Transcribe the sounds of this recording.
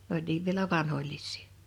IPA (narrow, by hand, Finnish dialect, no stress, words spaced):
n olʲ niːʋ ʋielæ ʋɑnholʲlisˑi̥ː